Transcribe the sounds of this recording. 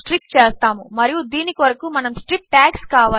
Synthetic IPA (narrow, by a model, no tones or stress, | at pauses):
ʈɾik̚ʈt͡ʃeːst̪aːmumɐɾijud̪iːnikiʋɐɾɐkumɐnɐmsʈɾip̚ʈaːkskaːʋa